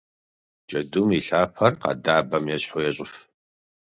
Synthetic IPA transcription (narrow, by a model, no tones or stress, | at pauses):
d͡ʒʼɐdumiɬaːpʰɐrqɑ̰daːbɐmjɛɕħʊjɛɕʼɪf